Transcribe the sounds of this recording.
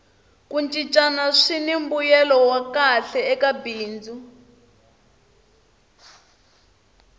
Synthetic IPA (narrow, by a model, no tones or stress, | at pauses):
kunt͡ʃʼit͡ʃʼanaʂinimbujɛlɔwakaɬɛɛkabiːnd͡zu